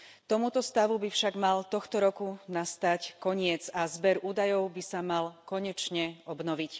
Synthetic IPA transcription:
t̪ɔmut̪ɔst̪aʋubifʃaɡmalt̪ɔxt̪ɔɾɔkunast̪ackɔɲɪɛd͡zazbɛɾuːd̪ajɔʊbisamalkɔɲɛt͡ʃɲɛɔbnɔʋic

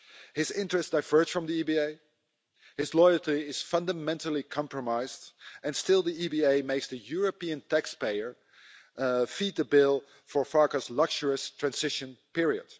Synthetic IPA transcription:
hɪzɪ̃ntɹ̥ɛstd̥aɪvɜ˞sfɹʌ̃mðiibieɪ | hɪzlɔɪlˠtiɪz̥fʌ̃ndəmɛ̃ntl̩ˠikʰɑ̃mpɹəmaɪzdʔɨ̃nstɪlˠdiibieɪmeɪksðɨjʊɹəpiɨ̃ntʰækspeɪə˞ | fit̚ðəbɪlˠ | fə˞fɑɹkəzlʌkʃəɹəstʰɹ̥æ̃nzɪʃɨ̃npɪɹiə̰d̥

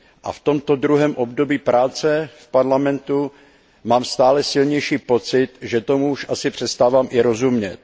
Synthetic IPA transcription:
ʔa̰ft̪o̞mt̪odɾuɦɛːmʔobdo̞biːpɾʔaːt͡sɛfpaɾlamɛnt̪u | maːmst̪aːlɛsɪlɲɛjʃiːpo̞t͡sɪt̪ʒɛt̪o̞muuʃʔasɪpr̝̥ɛst̪aːvaːmʔɪɾo̞zumɲɛt̪̚

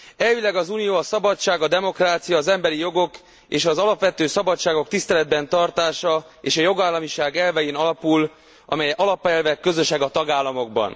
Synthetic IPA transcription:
ɛlvilɛɡɒzuːnijoːɒsɒbɒt͡ʃaːɡɒd̪ɛmo̞kraːt̪sijɒːzɛmbɛɾijo̞ɡo̞k | eːʃɒzɒlɒpʋɛt̪øːsɒbɒt͡ʃːaːɡo̞kt̪ist̪ɛlɛd̪̚bɛnt̪ɒrt̪aːʃɒ | eːʃɒjo̞ɡaːlːɒmiʃaːɡɛlvɛjeːnɒlɒpul | ʔɒ̰mɛjɛʔɒlɒpɛlvɛkːø̞zø̞ʃɛɡɒt̪ɒɡaːlːɒmo̞ɡ̚bɒ̰n

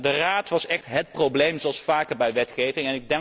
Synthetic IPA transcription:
dəraːtʋɑsɛχtɦət̚prowblejmzoɑlˠsfaːkəɹbɛjʋɛtχejvɪŋɛnɪɡ̚dɛ

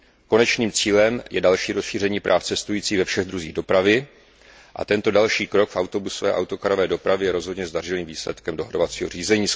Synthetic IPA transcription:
ko̞nɛt͡ʃniːmt͡siːlɛmjɛdalʃiːɾosʃiːrɛɲiːpɾʔaːft͡sɛst̪ujiːt͡siːvɛfʃɛɣd̪ɾuziːɣdo̞pɾavɪ | ʔa̰t̪ɛnt̪o̞dalʃiːkɾo̞kfawt̪o̞busovɛ̰ːʔa̰wt̪o̞kaɾovɛːdo̞pɾavɪjɛɾo̞zɦodɲɛzdar̝ɪliːmviːslɛt̪kɛmdo̞̰ɦɾovat͡siːɦo̞r̝iːzɛɲiː

